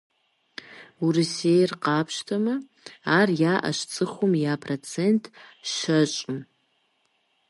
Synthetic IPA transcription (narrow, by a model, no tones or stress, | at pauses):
urisejrqapʰʃtʰamɨ | arjaʔa̰ʃt͡sʼɨχʷʊmjapʰrot͡sʰe̞ntʰʃat͡ʃʷʼɨm